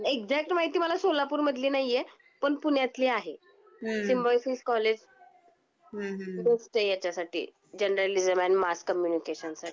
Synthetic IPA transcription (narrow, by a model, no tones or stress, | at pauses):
ekd͡zak̚ʈmaɦit̪iːməlasolapuːɾməd̪ʱliːnajje | pəɳpuɳjat̪liːaɦe | simbɔjsiːskɔled͡ʑ | d̪əsʈəjat͡ɕasaʈḭː | d͡ʑenəɾalid͡zəmænmaskːəmjunikeɕənsaʈi